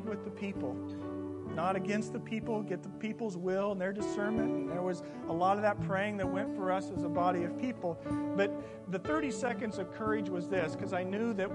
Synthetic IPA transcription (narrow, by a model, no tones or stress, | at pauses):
d̚wɨðɨpʰipl̩ˠ | nəɾɨɡɛ̃nst̪̚ðɨpʰipl̩ˠɡɛt̪̚ðəpʰipl̩ˠzwɪlˠə̃nðə˞dɨsɜ̃˞mɨ̃nət̚wʌz | əlɔɾʌvðɨt̚pʰɹ̥eɪɪ̃ŋðɨt̚wɛ̃ntfə˞ʌsɨzəbɑɾiʌv̥pʰipl̩ˠb̥ʌt̪̚ | ðɨθɜ˞ɾisɛkɨ̃ndzʌv̥kʰɜ˞ɪd͡ʒwʌzðɪskʰʌzaɪnjʉðɨt̚